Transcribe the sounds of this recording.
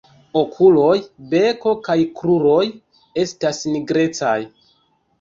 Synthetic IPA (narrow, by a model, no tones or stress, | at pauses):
o̞kʰulo̞jbe̞ko̞kajkɾuɾo̞j | e̞stasniɡɾe̞t͡sa̰j